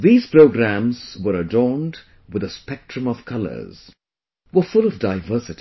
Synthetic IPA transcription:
ðiːz̥pɹoʊɡɾæ̃mz̥wə˞ədɔɹnd | wɨðəspɛk̚tɹɨ̃mʌv̥kʰʌlə̰˞z̥ | wə˞fʊlˠʌvdaɪvɜ˞sɨti

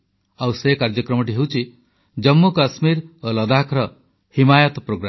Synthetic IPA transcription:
awsekaɾd͡ʒɔkɾɔmɔʈ̬iɦewt͡ʃʰi | d͡ʒɔmːukasmiɾolɔd̪akʰɾɔ | himajɔt̪ɔpɾoɡɾam

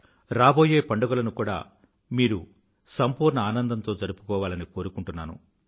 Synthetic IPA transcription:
ɾaːbo̞ːje̞ːpɐɳɖuɡɐlɐnukuːɽa̰ː | miːɾu | sɐmpuːɾɳɐaːnɐnd̪ɐnt̪o̞ːd͡ʒɐɾupu̥kɔːʋaːlɐniko̞ːɾukuɳʈunːaːnṵ

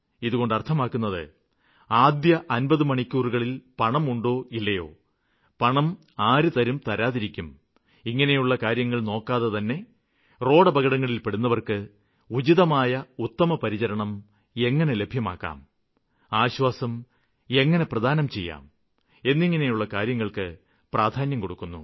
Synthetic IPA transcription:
iðuɣo̞ɳɖɐrt̪ʰɐmaːkːunːɐðɨ̰ | aːd̪jɐʔɐnbɐðɨmɐɳikʲːuːruɣɐɭilpɐɳɐmuɳɖo̞ːilːɐjo̞̰ː | pɐɳɐm | aːɾut̪ɐɾumt̪ɐɾaːðiɾikʲːum | iŋːɐne̞juɭːɐkaːɾjɐŋːɐɭno̞ːkːaːðɐt̪ɐnːe̞ | ro̞ːɽɐbɐɣɐɽɐŋːɐɭilpe̞ɽunːɐʋɐrkɨ | ud͡ʑiðɐmaːjɐut̪ːɐmɐpɐɾit͡ɕɐɾɐɳɐm | e̞ŋːɐne̞le̞bʱjɐma̰ːkːa̰ːm | aːɕwaːsɐm | e̞ŋːɐne̞prɐd̪ʱaːnɐmt͡ɕe̞jːa̰ːm | e̞nːiŋːɐne̞juɭːɐkaːɾjɐŋːɐɭkɨ | prʔaːd̪ʱaːnjɐmko̞ɽukːunːṵ

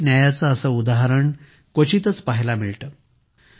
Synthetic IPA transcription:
njajat͡saəsəud̪aɦəɾəɳ | kət͡ɕit̪ət͡spaɦlamiɭʈəː

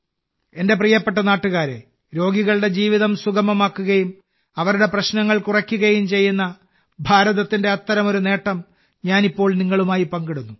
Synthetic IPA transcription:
e̞nde̞p̬riːjɐpːe̞ʈ̬ːɐnaːʈːuɣaːɾe̞̰ | ɾo̞ːɡiɣɐɭuɽe̞d͡ʑiːʋiðɐmsuɡɐmɐmaːkːuɣɐjum | ɐʋɐɾuɽe̞prɐɕnɐŋːɐɭkurɐkʲːuɣɐjumt͡ɕe̞jːunːɐ | bʱaːɾɐðɐt̪ːinde̞ɐt̪ːɐɾɐmo̞ɾune̞ːʈːɐm | ɲaːnipːo̞ːɭniŋːɐɭumaːjipɐŋɡiɽunːu

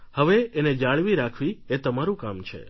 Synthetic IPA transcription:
həʋeened͡ʒaɭʋiɾakʰʋiet̪əmaɾũkamt͡ʃʰḛ

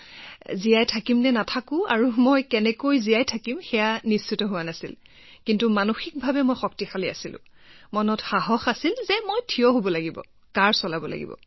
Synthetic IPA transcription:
zijajtʰakimnɛnatʰakʊ̃a̰ɹumojkɛnɛkojziajtʰakimxɛjanist͡ʃitɔɦʊwanasḭl | kintumanuxik̚bʱabɛmojxɔk̚tixalia̰silʊ̰̃ | mɔnɔtxaɦɔxasilzɛmojtʰijɔɦobɔlaɡibɔ̰ | kaɹsɔlabɔla̰ɡḭbɔ̰

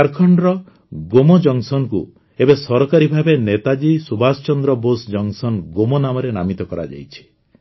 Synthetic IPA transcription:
aɾkʰɔɳɖɾɔ | ɡomɔd͡ʒɔŋsɔnkṵ | ebesɔɾɔkaɾibʱabenet̪ad͡ʒisubʱasɔt͡ʃɔnd̪ɾɔbosd͡ʒɔŋsɔnɡomɔnamɔɾena̰mit̪ɔkɔɾa̰d͡ʒa̰jt͡ʃʰi̥

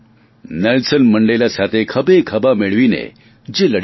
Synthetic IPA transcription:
nelsənməɳɖəjlasat̪ʰekʰəbekʰɐbameɭʋinḛ | d͡ʑeləɽ

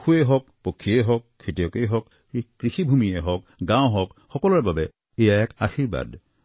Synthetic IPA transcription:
kʰueɦɔk̚pokʰːieɦɔk̚ʰːetijɔkejɦɔk | kɹixibʱumieɦɔk̚ | ɡãw̃ɦɔkhɔkɔlɔɹbabɛ | ejaɛkaxiɹba̰d

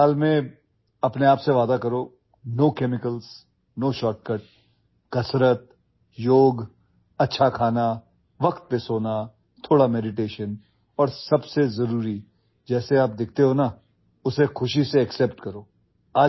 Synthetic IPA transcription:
aːlmẽ | ɐpneaːpseʋaːd̪akɐɾoː | noːkɛːmɪkəls | noːʃɔːʈ̚kəʈ̚ | kɐsɾət̪̚ | joːɡ | ɐtːʃʰakʰaːna | ʋɐkt̪̚pesoːna | t̪ʰoːɽamɛːɖɪʈ̬eːʃən | ɔːɾsɐbsezɐɾuːɾi | d͡ʒɛːseaːp̚d̪ɪk̚ʰt̪eɦoːna | ʊsexʊʃiseɛksɛːpʈkɐɾoː | aː

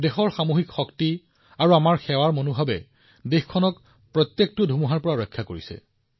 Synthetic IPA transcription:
dexɔɹxamoɦikxɔkti | aɹuamaɹxɛwaɹmonubʱabɛ | dexkʰːɔnɔk | pɹɔt̪jek̚tʊdʱumuɦaɹpɔɹaɹɔjkʰːakoɹisɛ̰

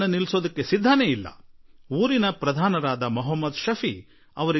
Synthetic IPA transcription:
nɐnilso̞ːd̪ɐkːesid̪ʱːɐneilːɐ̰uːɾinɐpɾɐd̪ʱaːnɐɾaːd̪ɐmɔɦɐmːɐd̪ʃɐfʰi | ɐʋɐɾi

